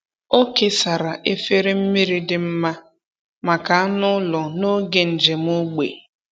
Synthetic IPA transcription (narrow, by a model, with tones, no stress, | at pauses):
o˦ke˨sa˨ɾa˨ʔe˦fe˦ɾe˦m̩˦mi˦ɾi˦dɪ˦m̩˦ma˦ | ma˨ka˨a˦nʊ˦lɔ˨no˦ɡe˨n̩˨d͡ʒe˨m˦ʊ˦ɡ͡bḛ˨